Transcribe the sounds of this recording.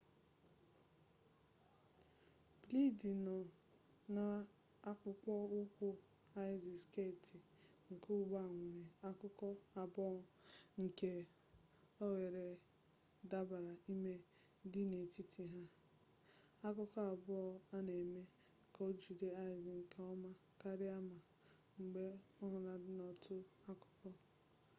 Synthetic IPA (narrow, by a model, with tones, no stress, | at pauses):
b̥li˦di˨nɔ˨ | na˨ | a˦k͡pʊ˦kʷɔ˦ʊ˦kʷʊ˦ | a˦ɪ˨zi˨ske˦˨ti˨ | ŋ̩˨ku˦ɡ͡ba˦˨ŋʷe˨ɾe˨a˦kʊ˦kɔ˦a˨bɔ˦ŋ̩˨ke˦ | ɔ˦ɣe˨ɾe˨ | da˦ba˨ɾa˨i˦me˦ | dɪ˦ne˨ti˦ti˨ɦa˦ | a˦k̬ʊ˦kɔ˦a˨bɔ˦a˦ne˨me˦˨ | kɔ˦d͡ʒu˨de˦a˦˨zi˨ŋ̩˨kʰɔ˦ma˦ | ka˦ɾɪ˦a˦ma˨ | ŋ͡m̩˨ɡ͡be˦ɔ˦ɦʊ˨na˨dɪ˦nɔ˦tʰʊ˦a˦kʊ̥˦kɔ˦